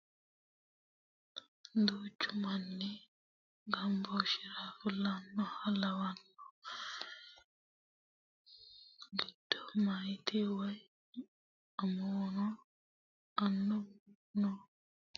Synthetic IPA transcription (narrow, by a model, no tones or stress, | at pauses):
d̪uːt͡ʃːumanːi | ɡɐmbɔʃiɾafulanːɔhalɐwanːɔ | ɡid̥ːɔmajt̪ʰɛwaj | amɔːnɔ | anːɔ | nɔ